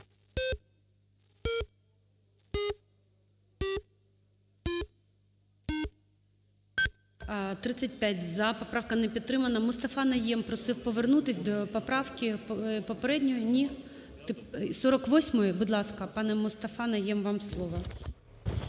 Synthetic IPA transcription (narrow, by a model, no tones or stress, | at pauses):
t̪ɾɪt͡sʲːɐt̚ʲpʲjatʲzɐpɔpɾɑwkɐnɛpʲid̪̚t̪ːɾɪmɐnɐmʊst̪ɐfɑnɐjɛmpɾɔsɪwpɔʋernut̪ɪsʲd̪ɔpɔpɾɑwkʲipɔpeɾɛdʲnʲɔjʊnʲi | t̪ɪsɔɾɔkʋɔsʲmɔjɛbud̪lˠɑskɐpɑnɛmɔst̪ɐfɑnɐjɛmʋɑmslˠɔʋɐ